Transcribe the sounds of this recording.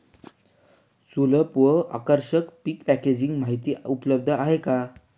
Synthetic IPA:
suləpʋəa̰kəɾɕəkpikpæked͡ʑiŋɡmaɦit̪iːupləb̚d̪ʱəaɦeka

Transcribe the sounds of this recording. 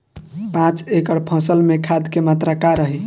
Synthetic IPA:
pãt͡ʃekəɽpʰə̃səlmekʰad̪kemat̪ɾakaɾəɦi

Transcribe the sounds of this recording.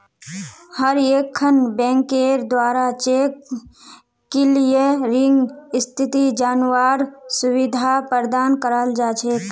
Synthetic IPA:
həɾeːkʰːənbɛ̃ːŋkeːɾd̪waːɾat͡ʃeːkː | elieɾɪ̃ŋɡɪst̪ʰɪt̪id͡ʒaːnwaːɾsʊwɪd̪ʱapəɾd̪aːnkəɾəld͡ʒaːt͡ʃʰeː

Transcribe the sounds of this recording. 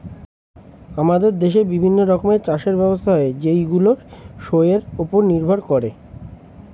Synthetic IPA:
amad̪eɾd̪eʃebibʱinːoɾɔkomet͡ɕaʃeɾbɛbost̪ʰaɦed͡ʑejɡuloʃojeɾupoɾniɾbʱoɾkɔɾe

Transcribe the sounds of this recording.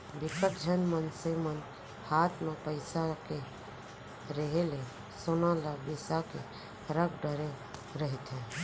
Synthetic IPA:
bikət̪̚d͡ʒʱənmənsimən | hat̪mepəɪsake | ɾeɦele | sonalabisake | ɾəkɖəɾe | ɾəɦit̪ɦɛ̃

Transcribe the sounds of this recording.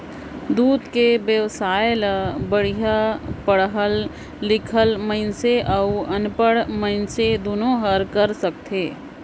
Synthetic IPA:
d̪uːd̪kebjəʋsaːjləbəɽ̤ijapəɽɦəlː | ɪkʰəlməɪnseʔəʊənpəɽməɪnsed̪onõɦəɾkəɾsək̚t̪ʰeː

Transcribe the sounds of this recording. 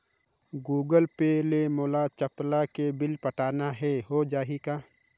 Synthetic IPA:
ɡuːɡəlpelemoːlat͡ʃəplakebɪlpəʈaːnaɦɛɦod͡ʒaːɦikaː

